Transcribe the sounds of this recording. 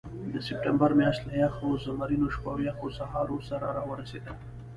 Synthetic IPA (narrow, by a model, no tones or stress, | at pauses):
d̪əsɪp̚ʈambaɾmjɑʃt̪lajɑxozamaɾinoʃpawjaxosahɑɾosaɾaɾɑwəɾased̪əl